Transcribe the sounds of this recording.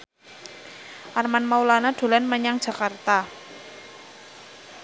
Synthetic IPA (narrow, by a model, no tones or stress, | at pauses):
ʔarmanmaulanaɖ̪̥o̤lɛnməɲaŋ̥ʒ̥a̤kart̪a